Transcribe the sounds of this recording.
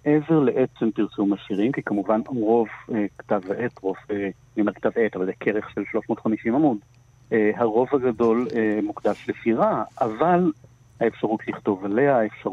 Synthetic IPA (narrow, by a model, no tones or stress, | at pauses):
ʔeve̞ʁleʔett͡sempiʁsumaʃiʁimkikamuvanʁo̞vektavetʁo̞ve | nimaʁktavetavalzekʰeʁeχʃelʃlo̞ʃmotχamiʃimamud | eɦaʁo̞vhaɡado̞lemukdaʃlefiʁaːval | haefʃaʁutʰliχto̞vale̞aefʃa